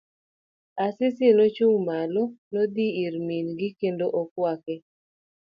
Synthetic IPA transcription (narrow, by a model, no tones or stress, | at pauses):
asɪsɪnot͡ʃuŋmalɔnod̪iiɾminɡɪkendoʔɔkwakɛ